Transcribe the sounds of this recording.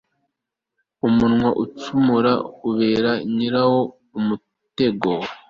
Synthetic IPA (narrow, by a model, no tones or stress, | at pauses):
umunŋwaʔut͡ʃumuɾa̰uβe̞ːɾaɲiɾaho̞ | umu | te̞ɡo